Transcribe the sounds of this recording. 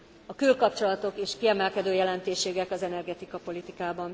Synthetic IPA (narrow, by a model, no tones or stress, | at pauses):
ɒkylkɒpt͡ʃo̞lɒt̪o̞keːʃkiɛmɛlkɛd̪øːjɛlɛnt̪eːʃeːɡɛkɒzɛnɛrɡɛt̪ikɒpo̞lit̪ikaːbɒn